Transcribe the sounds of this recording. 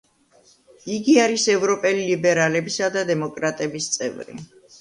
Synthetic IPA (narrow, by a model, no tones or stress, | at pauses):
iɡiaɾisɛvɾɔpʼɛlilibɛɾalɛbisad̪ad̪ɛmɔkʼɾat̪ʼɛbist̪sʼɛ̰vɾḭ